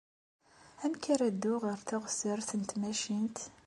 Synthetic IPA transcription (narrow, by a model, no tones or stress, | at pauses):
ænkəɾæd̪ːuʁəɾθaʁsəɾθənt̪mæʃint̪